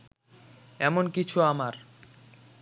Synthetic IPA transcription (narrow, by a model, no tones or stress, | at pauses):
ɛmonkit͡ɕʰuamaɾ